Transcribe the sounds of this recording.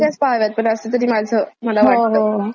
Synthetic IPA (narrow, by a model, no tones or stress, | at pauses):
aspaʋjat̪̚pəɳəsət̪əɾiːmad͡zʱəm̤əlaɦʋaʈoɦə